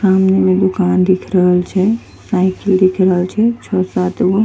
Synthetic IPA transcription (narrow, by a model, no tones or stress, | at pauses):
saːmnemẽd̪ʊkaːnd̪ɪkʰɾəɦəlt͡ʃʰɛ | saːɪkəld̪ɪkʰɾəɦəlt͡ʃʰɛt͡ʃʰɔsaːt̪ʋo